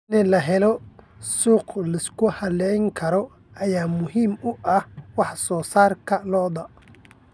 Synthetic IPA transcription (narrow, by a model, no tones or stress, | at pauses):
nɛlɐɦɛlɔ | suːqlɐɪskʰʊhɐlɛjŋkʰɐɾɔ | ɐjaːmʊɦiːmʊʔɐhwɑħsɔːsaːrkʰɐlɔːðɐ